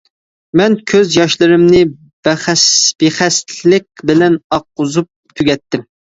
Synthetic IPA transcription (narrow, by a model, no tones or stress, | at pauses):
mɛnkʲʰøzjɑʃlˠɨɾɨmnɪ | bɛχɛsb̥eχɛslɪk̚ʲbɪlɛnɑq̚ːʊzup̚t̪ʰyɡʲɛt̪ʰːɪm